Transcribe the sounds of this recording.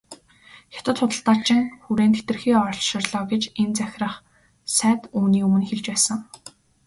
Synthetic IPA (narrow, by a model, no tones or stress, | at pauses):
xʲḁt̪ə̆t̪χʊt̪ə̆ɬt̪aːrt͡ɕɪ̆ŋxuɾeːnt̪ʰet̪ɘ̆rxiːɔr̆ɮʃɪ̆rɮɔːɡet͡ɕent͡sæxʲrə̆χ | sæːt̪uːniːɵmɘ̆nxeɮt͡ɕpæːsə̆ŋ